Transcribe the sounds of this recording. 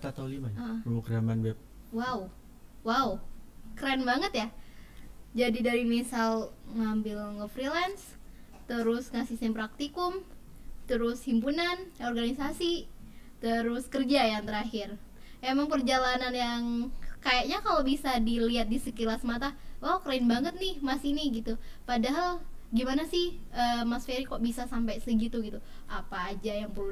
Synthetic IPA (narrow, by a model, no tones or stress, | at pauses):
t̪at̪aulimaaokɾamanbɛp̚ | wau | waukɾɛnbaŋət̪ja | d͡ʒadidaɾimisalŋambɪlŋəfɾilɛns | t̪əɾʊsŋasisɪmpɾak̚t̪ikʊmt̪əɾʊshimpunanorɡanisasit̪əɾʊskərd͡ʒajaŋt̪əɾaɦɪr | emaŋpərd͡ʒalananjaŋkajaʔɲakalobisadiliat̪̚disəkilasmat̪awakəɾaɪnbaŋət̪̚nɪhmasinɪɡit̪upadaɦalɡimanasɪhəmasfeɾikoʔbisasampajsəɡit̪uɡit̪u | ʔapaːd͡ʒajaŋpə